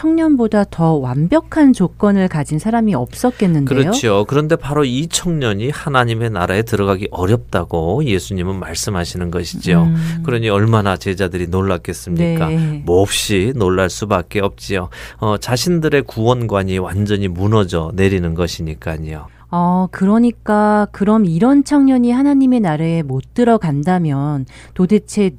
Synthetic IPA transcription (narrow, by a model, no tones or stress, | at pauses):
t͡ɕʰʌŋɲʌnbodatʌwambjʌkʰant͡ɕok͈ʌnɯɭkad͡ʑinsʰaɾamiʌp̚s͈ʌk̚k͈e̞nːɯnkɯeɾʌjot͡ɕʰiokɯɾʌnde̞paɾoit͡ɕʰʌŋɲʌɲihanaɲime̞naɾae̞tɯɾʌɡaɡiʔʌɾjʌp̚t͈aɡoje̞sʰuɲimɯnmaɭs͈ɯmɦaɕʰinɯnɡʌɕʰi̥d͡ʑiokɯɾʌɲiʌɭmanat͡ɕe̞d͡ʑadɯɾinoɭːak͈e̞s͈ɯmɲik͈amʌp̚ɕ͈inoɭːaɭs͈ubak͈e̞ʌp̚t͡ɕ͈ioʌt͡ɕaɕʰindɯɾe̞kuwʌnɡwaɲiwand͡ʑʌɲimunʌd͡ʑʌne̞ɾinɯnɡʌɕʰiɲik͈aɲijo | ʌkɯɾʌɲik͈akɯɾʌmiɾʌnt͡ɕʰʌŋɲʌɲihanaɲime̞naɾaemot̚t͈ɯɾʌɡandamjʌn | tode̞t͡ɕʰe̞